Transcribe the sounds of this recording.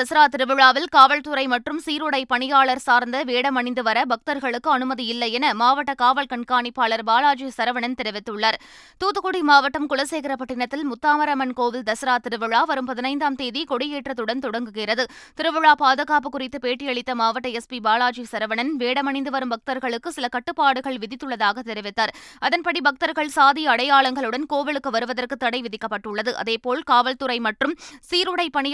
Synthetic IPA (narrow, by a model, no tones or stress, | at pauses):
d̪ɐsɐɾaːt̪ɪɾɯʋɯɻaːʋɪlkaːʋɐɭt̪ʊɾɐɪmɐʈrɯmsiːɾʊɽɐɪpɐɳɪjaːɭɐɾsaːɾnd̪ɐʋeːɽɐmɐɳɪnd̪ɯʋɐɾɐbɐk̚t̪ɐɾɣɐɭɯkːɯɐnɯmɐðiɪlːɐjɛnɐmaːʋɐʈːɐkaːʋɐɭkɐɳkaːɳɪpːaːɭɐɾbaːlaːt͡ʃisɐɾɐʋɐɳɐnt̪ɪɾɐʋɪt̪ːɯɭːaɾ | t̪uːt̪ːɯkʊɽimaːʋɐʈːɐmkʊɭɐseːɣɪɾɐpɐʈːɪɳɐt̪ːɪlmʊt̪ːaːmɐɾɐmɐnkoːʋɪld̪ɐsɐɾaːt̪ɪɾɯʋɯɻaːʋɐɾɯmpɐðɪnɐɪnd̪aːmt̪eːðikɔɽɪjeːʈrɐt̪ʊɽɐnt̪ɔɽɐŋɡɯɣirɐðɯt̪ɪɾɯʋɐɻaːpaːðɐɣaːpɯkːʊrɪt̪ːɯpeːʈːɪjɐɭɪt̪ːɐmaːʋɐʈːɐɛspibaːlaːd͡ʒisɐɾɐʋɐɳɐnʋeːɽɐmɐɳɪnd̪ɯʋɐɾɯmbɐk̚t̪ɐɾɣɐɭɯkːɯsɪlɐkɐʈːɯpːaːɽɯɣɐɭʋɪðɪt̪ːɯɭːɐðaːɣɐt̪ɛɾɪʋɪt̪ːaːɾɐðɐnpɐɽibɐk̚t̪ɐɾɣɐɭsaːðɪjɐːɽɐjaːɭɐŋɡɐɭɯɽɐnkoːʋɪlɯkːɯʋɐɾɯʋɐðɐrkɯt̪ːɐɽɐɪʋɪðɪkːɐpːɐʈːɯɭːɐðɯʔɐ̰ðeːpoːɭkaːʋɐlt̪ʊɾɐɪmɐʈrɯmsiːɾʊɽɐɪpɐɳɪj